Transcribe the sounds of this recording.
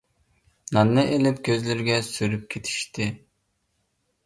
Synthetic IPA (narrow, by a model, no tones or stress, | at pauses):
nɑnːɨʔelɪpkʲʰøzlɪɾɡʲɛsyɾyp̚kʲʰet̪ʰi̥ʃt̪ʰɪ